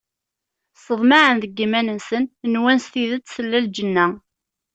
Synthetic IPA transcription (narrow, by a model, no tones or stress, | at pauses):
səðˤmaʕənðəɡːimænənsənnwænst̪iðət͡sːsəlːæld͡ʒənːæ